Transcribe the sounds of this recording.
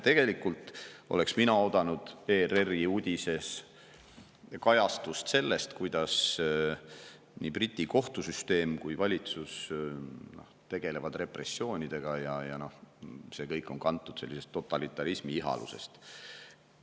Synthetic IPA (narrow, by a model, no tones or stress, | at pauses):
t̪e̞ɡ̥e̞likːult̪o̞le̞ksminɑo̞d̪̥ɑnud̪̥e̞ːreriud̪̥ʲise̞s | kɑjɑst̪ust̪se̞lːest̪kujd̪̥ɑs | niːprit̪ʲːˑiko̞ht̪usyst̪e̞ːmkujvɑlʲit̪sus | no̞̰ht̪e̞ɡ̥e̞le̞vɑd̪̥re̞pre̞sːjo̞ːnʲid̪̥e̞ɡ̥ɑjɑjɑno̞hse̞kɤ̞jkːˑo̞ŋkɑnt̪ːud̪̥se̞lːise̞st̪ːo̞t̪ːˑɑlit̪ːˑɑɾismiiɦɑ̰lṵse̞̰st̪